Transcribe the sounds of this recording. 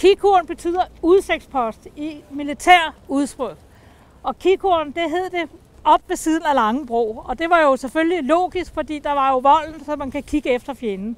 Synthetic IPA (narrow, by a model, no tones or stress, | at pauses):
kʰikʰuɐnb̥e̝t͡sʰy̰ð̰ˠɐuðˠseɡ̥spʰɒ̽sd̥imilit͡sʰæɐ̰uð̞ˠsb̥ʁœð̥ˠ | ɒ̽kʰikʰuɐn̩d̥e̝ɦe̝ð̞ˠd̥e̝ | ɒ̽b̥ʋe̝siːð̞ˠn̩ælɑ̈ŋəb̥ʁo̝̰ːɒ̽d̥e̝ʋɑ̈jo̝seføllilo̝̰ːɡ̥isɡ̥fɒ̽d̥ḭːd̥ɑ̈ʋɑ̈jo̝ʋɒ̽l̰n̩sɒ̽mænkʰækʰiɡ̥əefd̥ɐfjenn̩